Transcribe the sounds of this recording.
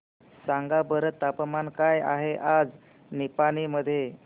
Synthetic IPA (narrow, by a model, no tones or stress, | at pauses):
saŋɡabəɾət̪ːapmankaja̰ɦeʔad͡z | nipañiməd̪ʱːje